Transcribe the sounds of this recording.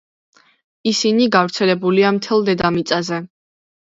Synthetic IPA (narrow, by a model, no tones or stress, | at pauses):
isiniɡavɾt̪sʰɛlɛbuliamt̪ʰɛlˠd̪ɛd̪amit̪sʼazɛ